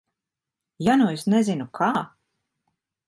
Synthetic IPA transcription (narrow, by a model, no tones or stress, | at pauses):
januesnɛzinukʰaː